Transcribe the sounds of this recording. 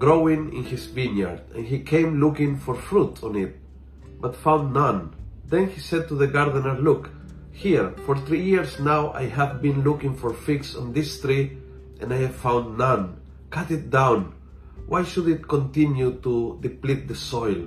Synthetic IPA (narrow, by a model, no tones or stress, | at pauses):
ɡ̥ɾowĩŋɪ̰̃nhisvĩnja̰ɹd̪ɛ̰̃nhikʰẽɪ̃mlukɪ̃ŋfɔɾfɾut̪ʰɔ̃nɪt̪̚ | bat̪fãw̃nd̪nʌ̃nðɛ̃nhisɛd̪̚t̪uðəɡaɾd̪ənəɹluk | hiɹfɔɹθɾijiɹsnawʔa̰jhævbĩnlukɪ̃ŋfɔɹfiksɔ̃nd̪ɪst̪ɾi | ʔɛ̃najhæv̥fãw̃nd̪nʌ̃n | kat̪ɪt̪̚d̪ãw̃n | wʔajʃudɪt̪̚kõnt̪ĩnjut̪ud̪iplit̪̚d̪əsɔjl